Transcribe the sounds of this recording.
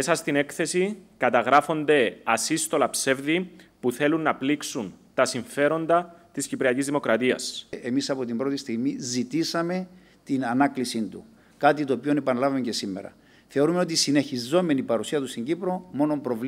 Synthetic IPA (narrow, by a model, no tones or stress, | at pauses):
esɐst̪ine̞kθe̞sikɐt̪ɐɣɾɐfo̞nd̪e̞ɐsist̪o̞lɐpse̞vðipuθe̞lunːɐpliksunt̪ɐsiɱfe̞ɾo̞nd̪ɐt̪iscipɾiɐcizðimo̞kɾɐt̪iɐ̰sʔemisɐpo̞t̪imbɾo̞t̪ist̪iɣmizit̪isɐme̞ | t̪inɐnɐklisint̪u | kɐt̪it̪o̞ːpio̞nepɐnlɐvɐmeɲce̞simːeɾɐ̰ | θe̞oɾumeo̞t̪̬isine̞çizo̞me̞nipɐɾusiɐt̪ust̪iɲɟipɾo̞mo̞no̞mpɾo̞v